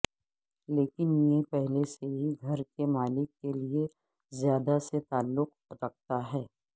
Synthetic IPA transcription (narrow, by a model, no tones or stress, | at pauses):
leːkɪnjepɛɦleseɦiɡʱɐɾkemaːlɪkːelie | zjaːd̪aset̪aːlːʊq̚ | ɾɐk̚ʰt̪aɦɛː